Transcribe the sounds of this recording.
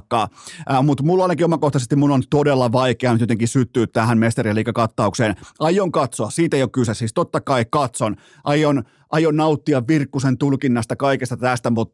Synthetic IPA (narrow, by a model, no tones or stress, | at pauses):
kːɑːmut̪mulːɑinɑkiomɑkoht̪ɑsest̪imunont̪odelːɑʋɑikeɑnet̪jot̪eŋkisyt̪ːyːt̪t̪ːæɦæmmest̪eriɑliːkɑkɑt̪ːɑukseːnɑjːoŋkɑt̪soɑssiːt̪ejokkysesiːst̪ot̪ːɑkɑikɑt̪son | ʔɑjːon | ʔɑjonnɑut̪ːiɑʋʋirkːusent̪ulkinːɑst̪ɑkɑikest̪ɑt̪æst̪æmut̪